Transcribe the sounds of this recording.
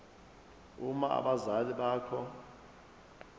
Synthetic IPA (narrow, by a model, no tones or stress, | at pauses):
umaa̰ɓazaliɓaːkʰɔ